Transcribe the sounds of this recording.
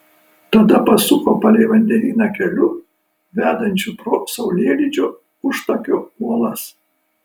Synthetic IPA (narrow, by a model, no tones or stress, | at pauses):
t̪ɐd̪ɐpɐsʊkoːpɐlʲɛɪʋɐnʲd̪ʲɛʋʲiːnʲɑkʲɛlʲʊ | ʋʲæːd̪ɐnʲt͡ʃʲʊpɾoːsɐʊlʲiɛlʲiːˑd͡ʒʲoː | ʊʃt̪ɐkʲoːuɔlˠɐs